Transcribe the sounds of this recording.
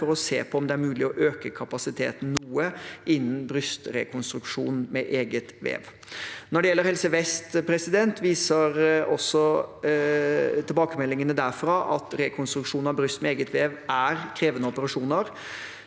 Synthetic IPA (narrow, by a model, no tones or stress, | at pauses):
ɔɾɔsḛːpʰɔɔmd̪ɛæɾmʉːlɪɔʔøːkəkʰɑpɑsɪt̪ʰḛːt̪n̩nuːəʔɪnːn̩bɾʏst̪ɾɛ̰kʰʊnst̪ɾʉkʂṵːnmɛʔeːɡət̪ʋḛːʋ | nɔɖɛjɛlːəɾhɛlsəʋɛst̪pʰɾɛsɪd̪ɛnt̪ʋiːsəɾɔsːɔ | t̪ʰɪlbɑːkəmɛlːɪŋənəd̪æɾfɾɑʔɑt̪ɾɛkʰʊnst̪ɾʉkʂuːnɑʋbɾʏst̪mɛeːɡət̪ʋeːʋæɾkʰɾeːʋənəɔpəɾɑʂuːnəɾ